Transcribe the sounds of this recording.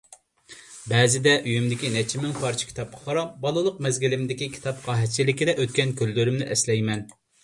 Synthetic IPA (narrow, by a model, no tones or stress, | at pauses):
bɛːzɪd̪ɛʔyjymd̪ɪkʲinɛt͡ʃʰimɪŋpʰɑɾt͡ʃʰi̥kʲi̥t̪ʰɑp̚qʰɑ̥qʰɑɾɑbɑlˠɨlˠʊq̚mɛzɡʲilɪmɪd̪ɪkʲikʲʰi̥t̪ɑp̚qʰɑːɦɛt͡ʃʰilɪkʲid̪ɛʔøt̪̚kʲɛnkʲʰølːyɾymnɪʔɛslɛjmɛn